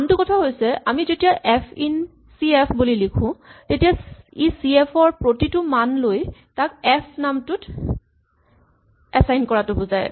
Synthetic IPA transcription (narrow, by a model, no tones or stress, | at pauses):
ntʊkɔtʰaɦojsɛʔamizetijaʔɛpʰin | siepʰbulilikʰʊ̃tetijaisiepʰɔɹpɹotitʊmanlojtakɛpʰnamtʊt | ɛsajnkɔɹatʊbuzaj